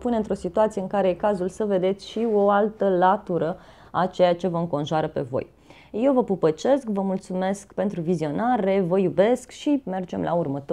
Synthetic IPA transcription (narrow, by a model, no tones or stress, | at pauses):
puneɨnt̪ɾo̞sit̪uat̪sijeɨŋkaɾe̞ekazulsəve̞d̪e̞t̪sʲʃioalt̪əlat̪uɾə | at͡ʃe̞jat͡ʃe̞vəɨŋko̞nʒoaɾəpe̞̰vo̞̰j | je̞wvəpupət͡ʃe̞skvəmult̪sume̞skpe̞nt̪ɾuvizio̞naɾe̞vəjube̞skʃime̞rd͡ʒe̞mlʔa̰urmət̪